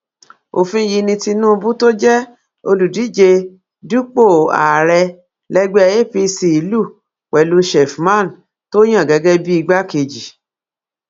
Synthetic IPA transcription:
o̰˨fĩ˦ji˧nĩ˧ti˧nũ˦˧bu˦to˦d͡ʒɛ˦ | o˧lu˨di˨˦d͡ʒe˧ | du˦k͡po˦˨a̰˨ɾɛ˧ | lɛ˦ɡ͡bɛ˦˧e˦pi˧si˧˨i˨˦lu˦˨ | k͡pɛ˨lũ˧˦ʃɛ˨fmã˦˨n˨ | to˦j̃ã˦˨ɡɛ˨˧˦ɡɛ˦bi˦i˧ɡ͡ba˦ke˧d͡ʒi˨

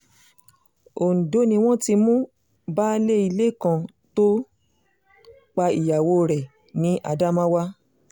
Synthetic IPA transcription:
o˨n̩˨do˨˦nĩ˧w̃ɔ̃˦ti˧mũ˦ | ba˦le˦i˧le˦˨kã˧ | to˦ | k͡pa˧i˨ja˨wo˧ɾɛ˨ | nĩ˨˦ʔa̰˧da˦mã˦wa˦

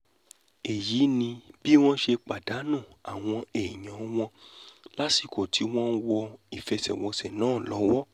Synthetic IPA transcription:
e˨jiː˨˦nĩ˧bi˦w̃ɔ̃˦ʃe˧k͡pa˨da˨˦nũ˦˨a˨w̃ɔ̃˧e˨ɲã˨w̃ɔ̃˧la˦si˨ko˨tʰi˨˦w̃ɔ̃˦n˦wɔ˧i˨fɛ˧sɛ˨wɔ˧sɛ˨nãː˨˦˨lɔ˨˦wɔ˦

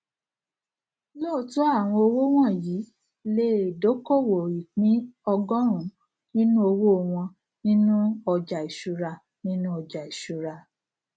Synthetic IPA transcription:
lɔ˦˨to˦a˦˨w̃ɔ̃˧o˧wo˦w̃ɔ̃˦˨jiː˨˦ | le˦e˨do˨˦ko˦˨wo˨i˨k͡pĩ˨˦ɔ˧ɡɔ˦ɾ̃ũ˨˦ | nĩ˦nũ˦o˧wo˦o˨w̃ɔ̃˧ | nĩ˦nũ˦ɔ˨d͡ʒa˨i˨ʃu˨ɾa˧ | nĩ˦nũ˦ɔ˧d͡ʒa˨i˨ʃu˨ɾa˧

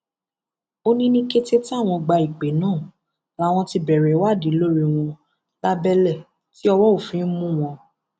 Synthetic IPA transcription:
o˦nĩ˦nĩ˦ke˦te˦ti˦a˦˨w̃ɔ̃˧ɡ͡ba˧i˨k͡pe˨˦nãː˦˨ | la˦w̃ɔ̃˧ti˧bɛ˨ɾɛ˨˦wa˦˨di˨˦lo˦ɾi˧w̃ɔ̃˧ | la˦bɛ˦lɛ˦˨ | ti˦ɔ˧wɔ˦o˦˨fĩ˨˦n̩˦mũ˦w̃ɔ̃˧

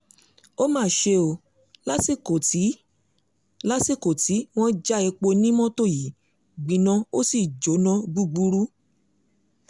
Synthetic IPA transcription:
o˦mãː˦˨ʃe˧o˧˨ | la˦si˦˨ko˨ti˨˦ | la˦si˦˨ko˨ti˨˦w̃ɔ̃˦d͡ʒa˦i˧k͡po˧nĩ˦mɔ̃˦to˦˨ji˨ | ɡ͡bĩ˨nã˧o˦si˦˨d͡ʒo˨˦nã˧ɡ͡bu˦ɡ͡bu˧˦ɾu˦

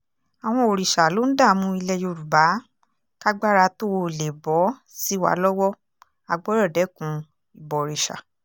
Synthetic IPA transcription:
a˨w̃ɔ̃˧o˨ɾi˨ʃa˨lo˨˦n̩˦da˦˨˦mũ˧i˧lɛ˧jo˧˨ɾu˨ba˨˦ | ka˦ɡ͡ba˦ɾa˧to˦wo˧˨le˨bɔ˨˦ | si˦wa̰˧˦lɔ˦wɔ˦ | a˧ɡ͡bɔ˦ɾɔ˦˨dɛ˨˦kũ˧ | i˨bɔ˨ɾi˨ʃa̰˨

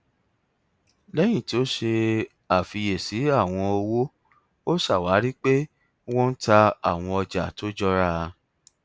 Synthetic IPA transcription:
lɛ˦j̃ĩ˦˨ti˨˦o˦ʃe˧ | a˨fi˧je˨si˨˦a˦˨w̃ɔ̃˧o˧wo˦ | o˦sa˦˨wa˨˦ɾi˦k͡pe˦ | w̃ɔ̃˦n̩˦ta˧a˦˨w̃ɔ̃˧ɔ˧d͡ʒa˨to˦d͡ʒɔ˦ɾa˦˧

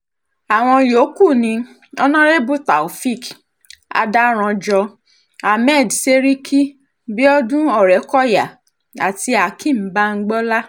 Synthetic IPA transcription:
a˨w̃ɔ̃˧jo˨˦ku˦˨nĩ˧ | ɔ˧nã˦ɾe˦bu˦ta˨o˨fi˦˨k | a̰˧da˦ɾ̃ɔ̃˧d͡ʒɔ˧ | a˨mɛ˦˨dse˦ɾi˦kʰi˦ | bi˦ɔ˦dũ˦ɔ˦˨ɾɛ˨˦kɔ˦˨ja˨ | a˨ti˧a˨kʰĩ˦˨m̩˨˦ba˦ŋ̩˦ɡ͡bɔ˦la˦

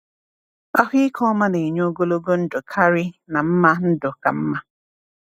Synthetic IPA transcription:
a˦ɦi˦ɪ˦kʰɔ˦ma˦ne˨ɲ˦o˦ɡo˦lo˦ɡo˦n̩˦dʊ˨kʰa˦ɾi˦na˨m̩˦ma˦n̩˦dʊ˨ka̰˨m̩˦ma˦

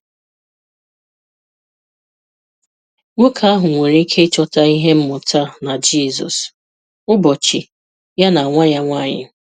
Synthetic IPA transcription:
ŋʷo˦kʰa˨a˦ɦʊ˨ŋʷe˨ɾi˦kʰe˦t͡ʃɔ˦ta˦i˦ɦe˦m̩˦mʊ˨tʰa˦na˨d͡ʒi˦˨zɔ̰˨s | ʊ˦bɔ˨t͡ʃi˨ | ja˦na˨a˨ŋʷa˦ɲa˦ŋʷa˦˨ɲɪ̰˦

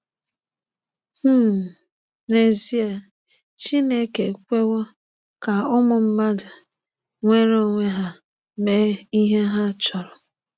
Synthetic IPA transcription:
h̩˦˨ | ɾe˨zi˦e˨ | t͡ʃi˦ne˦ke˨kʷe˦wɔ˦ | ka˨ʊ˦mʊ˨m̩˦ma˦da˨ | ŋʷe˦ɾo˦ŋʷe˦ɦa˦ | me˦˨i˦ɦe˦ɦa˦t͡ʃɔ˨ɾɔ˨

